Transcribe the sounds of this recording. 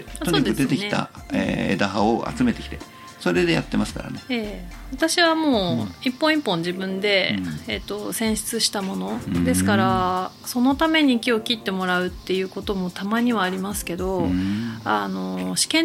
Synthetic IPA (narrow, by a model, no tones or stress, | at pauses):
t̪oɲikɯd̪et̪eknit̪a̰ḛḛd̪aɦaoʔa̰t͡sɨme̞t̪e̞kʲi̥t̪e̞ | so̞ɾe̞d̪e̞jat̪ːe̞masɨ̥ka̰ɾa̰neeːβat̪aɕiβamo̞ːipːõ̞ipːõ̞ɲ̟d͡ʑibɯ̟̃nd̪e̞et̪ːo̞sẽ̞ɰ̃ɕi̥t͡sɨɕi̥t̪amo̞no̞d̪e̞sɨ̥kaɾa | so̞no̞t̪ame̞ɲ̟ikʲio̞kʲit̪ːe̞mo̞ɾaɯ̟t̪ːe̞jɯ̟ːko̞t̪o̞mo̞t̪amaɲ̟iβaːɾʲimasɨ̥ke̞d̪o̞ | ano̞ɕi̥kẽ̞